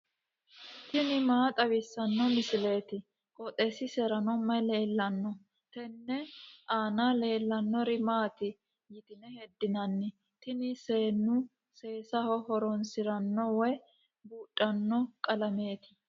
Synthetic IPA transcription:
t̪ɪnɪmaːt̪ʼɐwɪsːɐnːɔmɪsɪle̞ːt̪ɪ | kʼɔt̪ʼesɪsɛɾɐnɔmːɐjle̞ːlːɐnːɔ | t̪ɛnːɛʔaːnale̞ːlːɐnːɔɾɪmaːt̪ɪ | jɪt̪ɪnɛhɛd̪ːɪnɐnːɪ | t̪ɪnɪse̞ːnːʊ | se̞ːsɐhɔhɔɾɔnsɪɾɐnːɔwɛj | buːtʼːɐnːɔkʼɐlɐme̞ːt̪ɪ̥

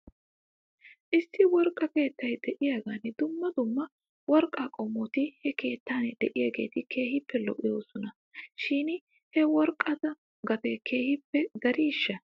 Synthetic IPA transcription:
ʔɪsːɪwɔɾkʼːɐke̞ːt̪ːɐjd̪ɛʔɪjaːɡaːnɛd̪ʊmːɐd̪ʊmːɐ | wɔɾkʼːaːkʼɔmːɔt̪ɪhɛke̞ːt̪ːaːnɛd̪ɛʔɪjaːɡe̞̰ːt̪ɪkʰe̞ːhɪpʰːɛlɔ̰ʔɪjoːsɔnɐ | ʃiːn | hɛwɔɾkʼːɐt̪ɐ | ɡɐt̪ɛke̞ːhɪpːɛɡ̪ɐɾiːʃːɐ

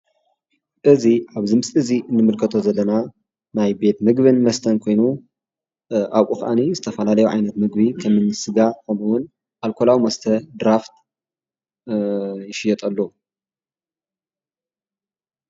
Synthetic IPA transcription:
ʔɨziʕaβzɨmsɨziʔɨnːɨmɨlkʰɐt̪ʰo̞zɐlːɐna | najbe̞t̪mɨɡβɨnmɐst̪ʰɐnkʰo̞jnu | ʔawʔʼuxʔa̰nizɨt̪ʰɐfɐlalɐjuʕa̰jnɐt̪mɨɡ̚bikʰɐmɨnsɨɡakʰɐmuwʊn | ʔalkʰolawimɐst̪ʰɐd̪ɾaft̪ | jɪʃɪjɛt̪ʼɐlːou

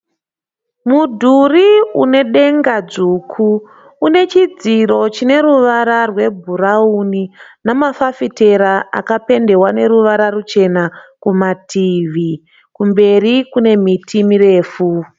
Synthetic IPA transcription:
mudʱuriṵne̞ɗe̞ŋɡad͡zuːkʰuː | ne̞t͡ʃid͡ziɾo̞t͡ʃine̞ɾuʋaɾarwe̞bʱuɾauninamafafite̞ɾaa̰kape̞nde̞wane̞ɾuʋaɾarut͡ʃe̞nakumatʰiʋi | kumbe̞rikune̞mitʰimire̞ːfu

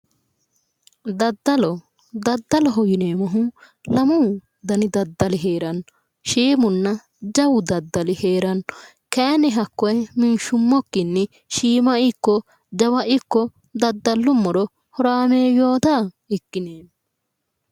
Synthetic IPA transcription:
d̪ɐd̪ːɐlɔ | d̪ɐd̪ːɐlɐɦɔjineːmɐɦũ | lɐmu | d̪ɐnid̪ɐd̪ːɐliɦeːɾɐn | ʃeːmunːɐ | d͡ʒɐwud̪ɐd̪ːɐliheːɾɐn | kɛːnɛɦɐkːɔɛminʃumːɔkːinːi | ʃiːmɐikːɔ | d͡ʒɐwɐʔikːɔ | d̪ɐd̪ːɐlːumːɔɾɔ | hɔɾaːmeːjoːt̪ɐ | ɛkːineːm

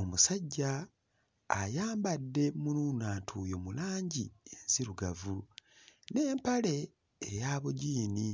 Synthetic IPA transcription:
omusaɟːaː | jaːmbadːe̞mununaːtʰujo̞mulaːɲɟie̞nziɾuɡavu | neːmpale̞ː | jaːβuɟiːni

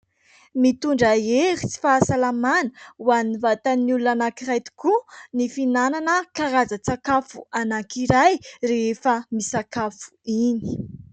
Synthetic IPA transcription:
mit̪uɳɖ͡ʐaeɾit͡si̥faːsalamanə̥uanivat̪anulunanakiɾajt̪i̥kunifinananəkaɾazət͡sakafuanakiɾajrefəmisakafu̥ini̥

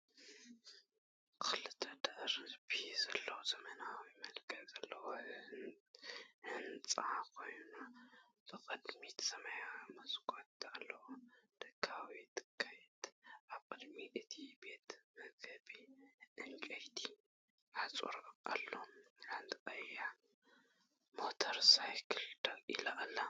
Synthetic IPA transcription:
kʰɨlɨt̪ʰːɐd̪ɐʔɾbizɐlːɐwozɐmɐnawimɐlkʰɐlzɐlːɐwo | hɨnt͡sʼakʰo̞jna | b̥ɨkʼɨd̪mit̪ʰsɐmajamɐsɡʰʼot̪alːɐwod̪̥ɨkʰːawit̪ɨ̥kʰːajɛt̪ʔaβkʼɨd̪miʔɨt̪ʰibe̞t̪mɐɡɨbiʔɨnt͡ʃʼɐjt̪ʰi | ħat͡sʼṵɾʔa̰lːolant̪kʼɐja | mot̪ʰɐɾsajkʰɨld̪akʔḭlaʔalːa

